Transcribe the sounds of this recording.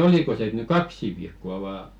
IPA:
oliko se et ny kɑksi ʋiːkːoɑ ʋɑː

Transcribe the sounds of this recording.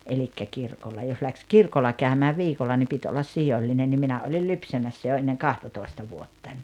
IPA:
elikːæ kirkolːɑ jos læks kirkolːɑ kæˑømæː ʋiːkolːɑ ni pit olːɑs sijolʲːinen nim minæ olil lypsæmæsːæ jo enːeŋ kɑhtɑtoˑi̞stɑ ʋuotːɑnʲ

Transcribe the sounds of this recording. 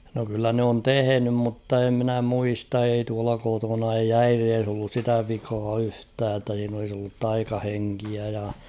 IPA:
no kylːæ n oːn tehenym mutːɑ e mnæ muistɑ ei tuɑlɑ kotonɑ ei æireːs olːus sitæ ʋikɑː yhtæː tːæ siːn olis olːut tɑikɑheŋkiæ jɑ

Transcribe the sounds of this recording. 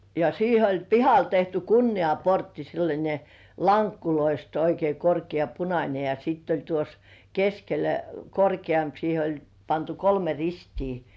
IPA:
jɑ siːhe olʲ pihɑl tehty kunːiɑportːi selːɑnʲe lɑŋkːuloist oikei korkiɑ punɑnʲe jɑ sitː olʲ tuos keskelæ korkiɑmp siːhe olʲ pɑntu kolme ristiː

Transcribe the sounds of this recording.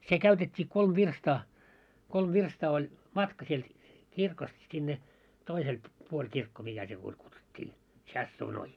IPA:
se kæytetʲːiː kolm ʋirstɑː kolm ʋirstɑː ol mɑtkɑ sielt kirkost sinːe toisel puolʲ kirkːo mikæ se puolʲ kutsutʲːiː tsʲɑsːuːnoi

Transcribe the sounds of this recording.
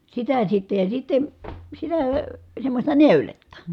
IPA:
sitæ sitːe jɑ sitːen̞ sitæː ə semːosʲtɑ neˑyletːɑ

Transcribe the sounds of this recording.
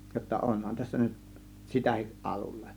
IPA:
jotːɑ ʔonhɑn tæsːæ nyt sitæhiʔ ʔɑlulːe

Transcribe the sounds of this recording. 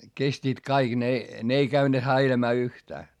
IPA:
kestiːt kɑiɡ̊ ne ne ei kæyne hæilæmæː yhtæː

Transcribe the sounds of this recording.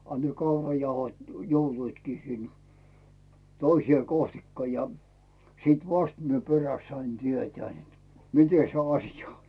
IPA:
ɑ ne kɑurɑjɑuhot joutuitkiː sin toisʲĭeˑ kohtikːɑ jɑ siːt ʋɑst mie peræst sɑin tietæː net mite se ɑsjɑ on

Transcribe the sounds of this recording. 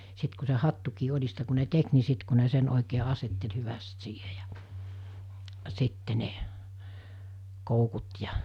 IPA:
sit ku se hɑtːukiː olʲistɑ ku ne tek ni sit ku ne sen oˑikeː ɑsetːel hyʋæst siːhe j̊ɑ̥ sitːe ne koukut jɑ

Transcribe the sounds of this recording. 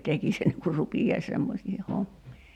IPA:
tekis enːeŋ kur rupijɑis semːosiːhe homːiː

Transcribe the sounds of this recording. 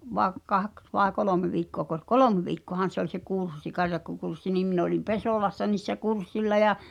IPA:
ʋɑĕ kɑks ʋɑe koloˑme ʋiːkːoɑkos kolomĕ ʋiːkːoɑhɑn̞ se olʲ se kursːi kɑrjɑkːokursːi niːm min olim pesoˑlɑsːɑ niːsːæ kursːilːɑ jɑ

